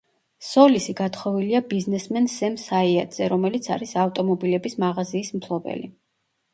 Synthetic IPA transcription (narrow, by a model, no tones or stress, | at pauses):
sɔlisiɡat̪ʰχɔviliabiznɛsmɛnsɛmsaiad̪z̥ɛɾɔmɛlit̪sʰa̰ɾisaft̪ʼɔmɔbilɛbismaʁaziːsmt̪ʰlˠɔbɛ̰li